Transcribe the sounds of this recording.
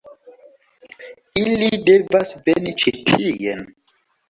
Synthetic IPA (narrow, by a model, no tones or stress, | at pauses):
ilidevasvenit͡ʃetʰijḛn